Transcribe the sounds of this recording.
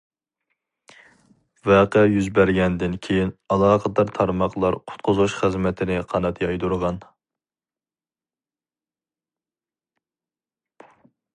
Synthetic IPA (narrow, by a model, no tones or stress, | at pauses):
vɛqəjyzbæɾɡʲɛnd̪ɪnkʲʰejinɑlˠɑːqʰəd̪ɑɾt̪ʰɑɾmɑqlˠɑɾqʰʊ̥t̪̚qʰʊzuʃχɨzmɛt̪ʰɪnɪqʰɑnɑt̪jɑjd̪uɾʁɑn